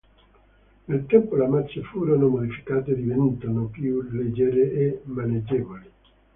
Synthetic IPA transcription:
nelt̪ɛmpolamat͡ʃːefuːɾonomod̪ifi̥kaːt̪ed̪ivɛnut̪anopjuled͡ʒeɾeʔemaned͡ʒːɛːvoli

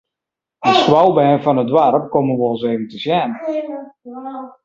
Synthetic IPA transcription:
dəskwalˠbɛːnfɔnədwaɾəp̚komənʋolˠs̬eːvəntəsjɛːnə

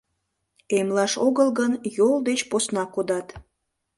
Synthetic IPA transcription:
emlɑʃoɣəlɣənjold̪et͡ɕposnɑkod̪ɑt̪

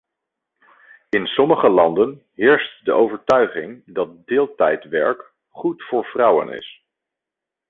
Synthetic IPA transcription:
ɪnsɔməχəlɑndən | ɦɪːɹstdəʔowvəɹtœɥχɪŋdɑt̚dɪːlˠtɛjtʋɛ̰ɹk | χutfʊːɹv̥rɑwə̰nɪ̰s

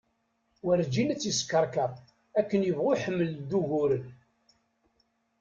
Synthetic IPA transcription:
wæɾd͡ʒinæt͡sːjəskəɾˤkəʁ | ækːənjəvʁʊħəmːəld̪uʝʊɾən

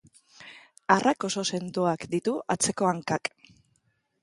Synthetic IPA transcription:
arʔako̞so̞se̞nd̪oakd̪it̪uat͡se̞ko̞aŋkak

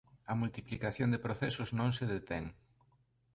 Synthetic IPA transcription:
ɐmult̪iplikaθjond̪ɪpɾoθɛsʊznõŋseðet̪ɛŋ

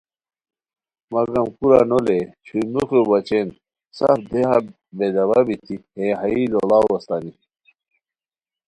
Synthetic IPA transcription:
mɐɡɐmkuɾa̰nolet͡ɕʰumuxebɐt͡ɕen | sɐ̰fd̪eɦa | bed̪ɐβabit̪ʰihẽɦɐilolaːwwɐst̪ani

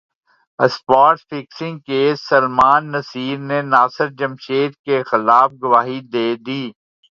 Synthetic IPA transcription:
əspaːɾʈsfɪksɪ̃ŋɡkeːsɐlmaːnːɐsiːɾnenaːsɪɾd͡ʒɐmʃeːt̪̚kexɪlaːfɡʊʋaːɦid̪eːd̪iː

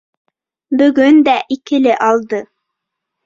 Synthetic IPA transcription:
bɵ̆ɡɵnd̪æʔikɘ̆lɘʔɑlˠd̪ɤ

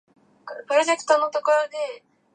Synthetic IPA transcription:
kpɯ̟ɾo̞d͡ʑe̞kɯ̥t̪onːot̪okoɾod̪e

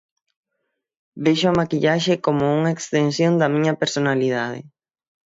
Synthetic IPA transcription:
beʃʊamakiʎaʃekomouŋaekst̪ensjõnd̪ɐmĩɲɐpeɾsonaliðað̞ɪ̰

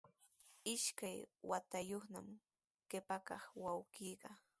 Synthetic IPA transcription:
ɪʃkajwat̪ajoχnam | ɢ̥ɪpakɑχwawɢiːɢɑ

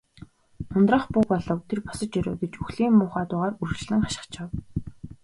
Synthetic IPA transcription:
ʊnt̪rə̆ːχpʊːpɔɮɞ̆wt̪ʰerpɔ̥sɞ̆t͡ɕjœɾʊ̰ːɡet͡ɕɵxɮiːmmʊːχaːt̪ʊːʁaːrurt͡ɕɮɘ̆ŋχaʃɪ̥̆χt͡ɕăw

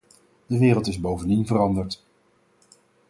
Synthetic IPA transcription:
d̥əʋɪːrəlˠtɪzbowvəndinvərɑndəɹt

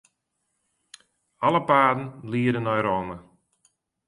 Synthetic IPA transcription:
aləpaːdən̩liəɾənɔjɾɔmə

